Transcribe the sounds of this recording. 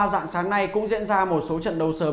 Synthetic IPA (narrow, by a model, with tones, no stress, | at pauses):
za̰ː˧˨ŋsaː˨˦ŋna˧jkʊ̰˧˥ŋ͡mzḭ˧˥ənzaː˧mo˨˩t̚so˨˦t͡ɕə̰˧˨nɗə˨˩wsəː˨˦